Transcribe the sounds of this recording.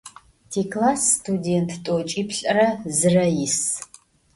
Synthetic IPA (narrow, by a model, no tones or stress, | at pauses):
tʰiːklaːsːtʰudentʰtʼot͡ʃʼiːpʰɬʼɐrɐzɨrɐjis